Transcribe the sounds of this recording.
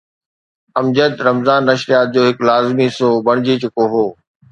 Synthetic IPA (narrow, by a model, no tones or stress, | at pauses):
ɐmd͡ʑəd̪ɾɐmzaːnːɐʃɾijaːt̪̚d͡ʑoːɦɪklaːzmisoːbɐɽ̃d͡ʑit͡ɕʊkoɦoː